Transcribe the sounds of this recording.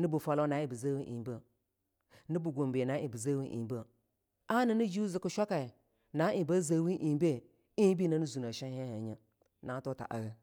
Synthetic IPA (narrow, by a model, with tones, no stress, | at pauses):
ni˦bu˨fa˨lo˦na˨˦i˦bə˨za˦wi˦ʔḭ˨bə˦ | ni˦bu˨ɡo˨mbe˨na˨˦i˨bə˨za˦wi˦ʔḭ˨bə˦ | a˦ni˨ni˦d͡ʒu˦zi˨kə˨ʃʷa˦ka˨ | na˦i˨ba˦za˦wi˦ʔi˨˦be˦˨ | i˦bi˦na˦nu˦zu˨na˨ʃa˦he˦ha˨ɲə˨ | na˨˦to˦ta̰˨ʔa̰˨ɡə˦